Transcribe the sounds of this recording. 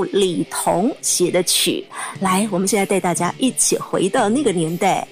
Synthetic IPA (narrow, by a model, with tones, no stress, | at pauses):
li˨˩t̪ʰʊ˧˥ŋɕjɛ˨˩d̪ə˦t͡ɕʰy̰˨˩˦la˧˥ɪwɔ˨˩mə˦nɕjt͡sa˥˧t̪a˧ɪt̪a˥˩t͡ɕja̰˥ʔi˥˩t͡ɕʰḭ˨˩xwe˧˥ɪd̪ə˥˧na˥˩ɡə˩njɛ˧˥nt̪a˥˩ɪ